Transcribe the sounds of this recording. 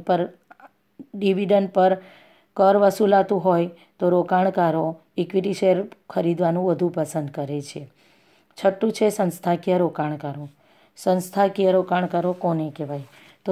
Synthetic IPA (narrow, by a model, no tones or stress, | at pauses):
pəɾ | ɖiʋiɖənɖpəɾ | kəɾʋəsulat̪ũɦoj | t̪oɾokaɳ̃kaɾo | ikʋiʈiʃeɾkʰəɾid̪ʋanũʋəd̪ʱũpəsənd̪̚kəɾet͡ʃʰe | t͡ʃʰəʈːũt͡ʃʰesənst̪ʰakijəɾokaɳkaɾo | sə̃nst̪ʰakiəɾokaɳ̃kaɾokonekeʋaj | t̪o